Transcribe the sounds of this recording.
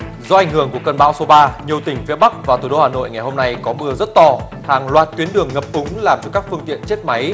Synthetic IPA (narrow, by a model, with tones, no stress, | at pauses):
zɔ˧ʔa˨˩jŋ̟hɨ˧˩əŋku˧˩əkə˧nɓaː˧˦wso˨˦ɓaː˧ɲi˨˩əwt̪ï˩ŋ̟fi˨˦əɓa˦˥k̚vaː˨˩t̪ʰu˧˩ɗo˨˦aː˨˩no̰˧˨jŋa˨˩jho˧mna˧jkɔ˨˦mɨ˧əzə˦˥t̚t̪ɔ˧ | haː˨˩ŋlwaː˨˩t̚t̪wi˨˦ənɗɨ˨˩əŋːə˨˩p̚ʔʊ˨˦ŋ͡mlaː˨˩mt͡ɕɔ˧kaː˦˥k̚fɨ˧əŋt̪ḭ˧˨ənt͡ɕe˦˥t̚ma˨˦j